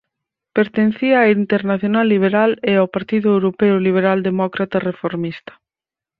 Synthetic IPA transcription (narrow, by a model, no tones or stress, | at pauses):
peɾt̪enθiaːint̪eɾnaθjonalːiβ̞eɾaleawpaɾt̪iðʊewɾopeʊliβ̞eɾald̪emɔkɾat̪arefoɾmist̪ɐ̥